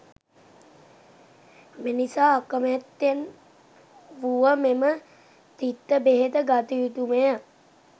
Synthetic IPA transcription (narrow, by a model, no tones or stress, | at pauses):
menisaːakəmɛt̪ːen | ʋuʋəmemə | t̪it̪ːəbeɦet̪əɡat̪iit̪umejə